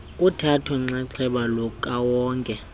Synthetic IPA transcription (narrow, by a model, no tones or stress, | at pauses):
utʰatʰɔŋ͡ǀaǁʰɛɓalɔkʼawɔːŋkʼɛ